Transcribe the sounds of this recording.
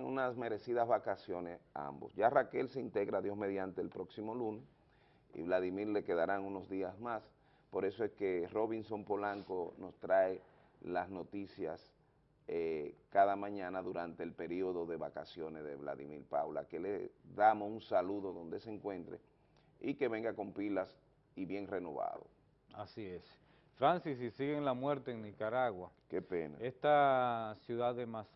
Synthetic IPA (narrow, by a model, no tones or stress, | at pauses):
ṵnasme̞ɾe̞siðazβakasjo̞nesa̰mbo̞̰sʝarake̞lseint̪e̞ɣɾaðjo̞sme̞ðjant̪e̞elpɾo̞ksimo̞lunes | ḭβlaðimiɾle̞ke̞ðaɾaŋuno̞zðiasmas | po̞ɾe̞so̞e̞ske̞ro̞βinso̞mpo̞laŋko̞no̞st̪ɾae | lasno̞t̪isjas | ekaðamãɲãnaðuɾant̪e̞ːlpe̞ɾio̞ðo̞ðe̞βakasjo̞nesðe̞βla̰ðḭmiɾpa̰wla̰ke̞lḛðamosunsaluðo̞ðo̞nd̪e̞seŋkwẽ̞nt̪ɾḛ | ike̞βe̞ŋɡako̞mpilas | iβje̞ŋre̞no̞βa̰ðo̰ | asies | fɾansis̬isiɣeŋlamwe̞ɾt̪eːŋnikaɾaɣwakepenaest̪asjuðaðemas